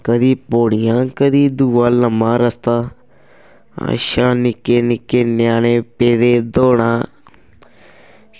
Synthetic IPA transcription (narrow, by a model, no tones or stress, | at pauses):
kɐd̪ipoːɽijãːkɐd̪id̪uʋaːlɐmaːɾɐst̪a | a̰ʃaːnikːenikːenjaːnepeːɾed̪oːɳã